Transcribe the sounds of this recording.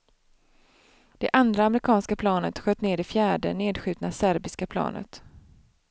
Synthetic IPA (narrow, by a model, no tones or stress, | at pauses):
d̪̥ɛʔand̪ɾaːmɾɪkʰɑːnskapʰlɑːnət̪ɧøːt̪neːdɛfjæːɖə̰neːd̪ɧʉ̟ːt̪nasæɾbɪskapʰlɑ̰ːnʔə̰t̪